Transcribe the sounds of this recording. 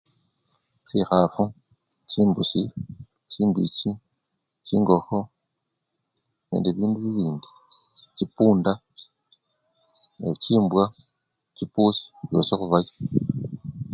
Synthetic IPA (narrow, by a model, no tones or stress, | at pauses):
sixafu | ciːmbusi | ciːmbici | ciːŋɡo̞xo̞ | ne̞̰ːndeβiːnduβiβiːndi̥ | cipuːnda | eciːmbwa | cipuːsi̥βjo̞̰ːsexuβaji̥